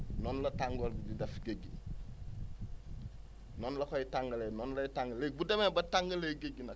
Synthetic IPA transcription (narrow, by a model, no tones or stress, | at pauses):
nɔnlɐtaŋɡolbudidɐfɡeɡi | nɔnlɐkojitaŋɡɐlenɔnlɐjitaŋɡɐlebudemebɐtaŋɡɐleɡeɡinɐ